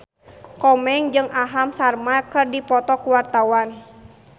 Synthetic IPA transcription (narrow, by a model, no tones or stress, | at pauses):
kɔmɛŋd͡ʒɨŋʔaɦamsarmakɨrdipɔt̪ɔkuwart̪awan